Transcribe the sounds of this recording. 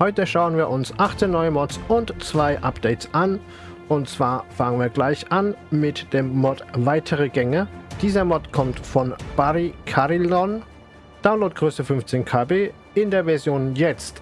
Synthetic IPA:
hɔʏtəʃaʊənviːɐʔʊnsʔaχt͡senɔʏəmɔt͡sʊntt͡sv̥aɪʔapd̥ɛɪtt͡sʔan | ʔʊntt͡sv̥aːɐfaŋənviːɐɡlaɪçʔanmɪtd̥eːmːɔtvaɪtʰəʁəɡɛŋəd̥iːzɐmɔtkʰɔmtfɔnb̥aʁikʰaʁilɔn | d̥aʊnloːt̚ɡ̥ʁøːsəfʏnft͡seːnkʰaːbeː | ɪndeːɐvɛɐzjoːnjɛt͡st

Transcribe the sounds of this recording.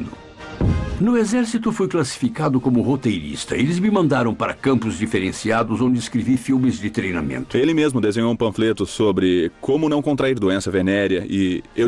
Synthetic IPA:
nʊ | nʊezɛɾsit̪ʊfojklasi̥fikad̪ʊkõmʊhot̪ejɾḭst̪ɐelɪzmɪmɐ̃nd̪aɾɐ̃w̃paɾɐkɐ̃mpʊzd͡ʒifeɾẽsiad̪ʊzõd͡ʒɪːskɾevifilmɪzd͡ʒɪt̪ɾejna̰mḛ̃nt̪ʊelɪmezmʊd̪ezẽɲowũpɐ̃flet̪ʊsobɾɪkʰõmʊnɐ̃w̃kõnt̪ɾaiɾd̪oẽsɐvenɛɾɐɪe

